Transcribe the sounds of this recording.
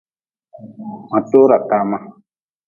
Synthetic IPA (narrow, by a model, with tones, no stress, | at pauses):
mã˨t̪o˦ɾa˨ta˦˧mã˦